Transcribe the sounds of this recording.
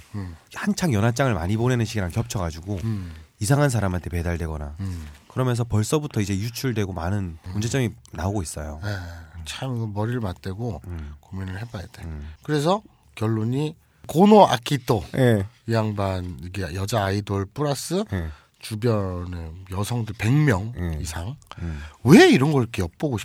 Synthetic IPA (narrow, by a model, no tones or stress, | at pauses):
hant͡ɕʰaŋjʌnɦat͡ɕ͈aŋɯɭma̰ɲibonenɯnɕʰiɡiɾaŋkjʌp̚t͡ɕʰʌɡad͡ʑuɡoisʰaŋɦans̬ʰaɾamantʰepe̞daɭdwe̞ɡʌnakɯɾʌmjʌns̬ʰʌpʌɭs͈ʌbutʰʌid͡ʑe̞jut͡ɕʰuɭdwe̞ɡomanɯnmund͡ʑet͡ɕ͈ʌminaoɡois͈ʌjo̰et͡ɕʰamɡʌmʌɾiɾɯɭmat͈e̞ɡokominɯɭɦe̞bajedekɯɾe̞s̬ʰʌ | kjʌɭːoɲi | konoa̰kʰitʰojeijaŋbaniɡejʌd͡ʑaːidoɭpʰuɾas͈ɯje | t͡ɕubjʌnejʌsʰʌŋdɯɭpe̞ŋmjʌŋjeisʰaŋ | weiɾʌnɡʌk͈eʌp̚p͈oɡoɕʰi̥